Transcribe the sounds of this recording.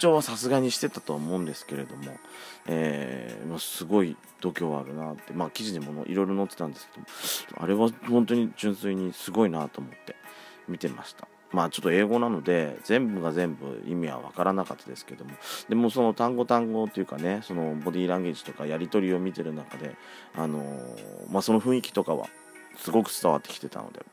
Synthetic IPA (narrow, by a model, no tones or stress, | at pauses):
it͡ɕo̞ːβasasɨɡaɲ̟iɕi̥t̪e̞t̪at̪o̞ːmo̞ɯ̟̃nd̪e̞sɨ̥ke̞ɾe̞d̪o̞mo̞eːmosɨɡo̞i | t̪o̞ːkʲo̞ːβa̰ɾɯ̟nat̪ːe̞maːkʲiʑid̪emo̞no̰ʔḭɾo̞iɾo̞no̞t̪ːe̞t̪ãnd̪e̞sɨ̥ke̞d̪omoa̰ɾe̞βahont̪o̞ɲ̟iʑɨ̃ñsɨiɲ̟isɨɡo̞inat̪o̞ːmo̞t̪ːe̞ | mʲit̪e̞ma̰ɕi̥t̪ḁ | maːt͡ɕo̞t̪ːoe̞ːɡo̞nano̞d̪e̞z̥ẽ̞mbɯ̟ɡazẽ̞mbɯ̟̰ḭmʲiβa̰β̞a̰kaɾanakat̪ːad̪e̞sɨ̥ke̞d̪o̞mo̞d̪e̞mo̞ːso̞no̞t̪ãŋɡo̞t̪ãŋɡo̞ːt̪ːejɯ̟kane̞so̞no̞bo̞d̪ʲiːɾãŋɡeʑi̥t̪o̞kajaɾʲit̪o̞ɾʲio̞mʲit̪e̞ɾɯ̟nakad̪e̞̰ | ano̞maso̞no̞ɸɯ̟̃ɰ̃ikʲi̥t̪o̞kaβa̰ | sɨɡo̞kɯ̟̥t͡sɨ̥t̪aβa̰t̪ːekʲi̥t̪e̞t̪a̰no̞̰d̪e̞̰